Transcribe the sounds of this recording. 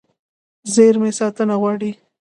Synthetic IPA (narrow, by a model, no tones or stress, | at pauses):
zeɾmesɑt̪ənaɣwɑɽi